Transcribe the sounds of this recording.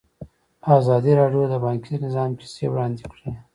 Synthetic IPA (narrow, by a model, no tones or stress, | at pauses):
ɑzɑd̪iɾɑɖjod̪əbɑŋkinɪzɑmpe̥sewɽɑnd̪ikɽe